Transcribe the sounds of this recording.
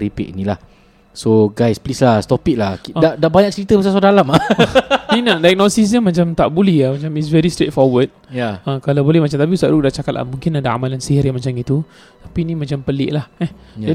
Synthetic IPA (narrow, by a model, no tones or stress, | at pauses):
ɾipḭt̪̚inĩlah | soɡajsplislahst̪ɔpik̚lahdaʔdaʔbaɲak̚t͡ʃəɾit̪əbəsas̬adalama | ninadaɛk̚nosis̬ɲamat͡ʃamt̪aʔbolɛamãt͡ʃamis̬vɛɾist̪ɾet̚fɔwəd̚ãkalabolɛhmat͡ʃamt̪ap̬iusaʔɾuk̚daʔt͡ʃakat̪la̰mũŋkɪnadaa̰malansiɦiɾjamat͡ʃamit̪u | t̪ḁpinĩmãt͡ʃampəlɪ̰ʔlahɛh | d͡ʒa